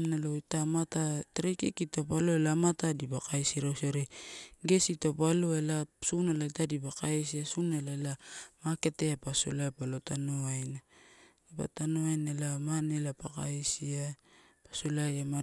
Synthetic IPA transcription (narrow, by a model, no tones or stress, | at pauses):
naloitamatatɾekikitopalo̞elamatadibakajsiɾawsaɾeɡe̞sitopalo̞elasunalaitadibakajsiasunelaelamake̞te̞apaso̰laapalotanoajna | ipa̰tanoajnelamanelapaka̰jsia | pasolajama